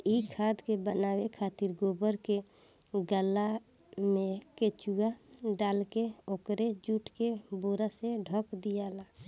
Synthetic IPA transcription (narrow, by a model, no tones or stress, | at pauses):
ikʰad̪kebənawekʰat̪iɾɡobəɾke | ɡəlːa | mẽket͡ʃuaɖalkeokɾed͡ʒuʈʰkeboɾaseɖʱɔkd̪ijala